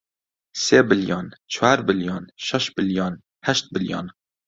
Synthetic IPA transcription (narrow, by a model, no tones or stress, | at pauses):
seːbɨljɑːnt͡ʃʰwaːɾbɨljɑːnʃɛʃbɨljɑːn | hɛʃt̪̚bɨljɑ̰ːn